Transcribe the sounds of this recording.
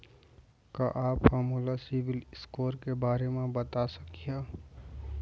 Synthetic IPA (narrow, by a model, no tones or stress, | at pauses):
kaʔaːpfaːmuːlasɪʋɪlɪskoːɾkebaːɾemẽbɐt̪asɐkijaː